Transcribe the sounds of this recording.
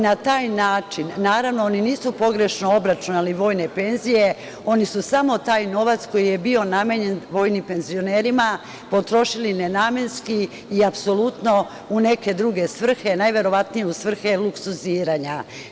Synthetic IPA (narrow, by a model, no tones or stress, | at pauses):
nat̪aːjnaːt͡ʃinːaːɾaʋno̞oniniːsupo̞ɡɾe̞ʃnoobɾat͡ʃunaliʋo̞ːjne̞pe̞nzije̞ | o̞nisusamo̞t̪aːjno̞ʋat̪sko̞jije̞bio̞name̞ɲe̞nʋo̞ːjnipe̞nzio̞neɾima | po̞t̪ɾo̞ʃiline̞name̞nskiː | apso̞lut̪no̞ | une̞ke̞d̪ɾuɡe̞sʋr̩xe̞najʋe̞ɾo̞ʋat̪nijeusʋr̩xe̞lˠuksuziːɾaɲa